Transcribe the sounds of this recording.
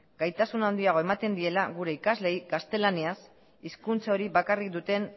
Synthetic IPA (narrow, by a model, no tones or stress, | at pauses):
ɡajt̪asunaond̪iaɣ̞o̞emat̪e̞nd̪ie̞laɣuɾe̞ikazle̞jɡast̪e̞lanias | iskunt͡saoɾiβakarikd̪ut̪e̞n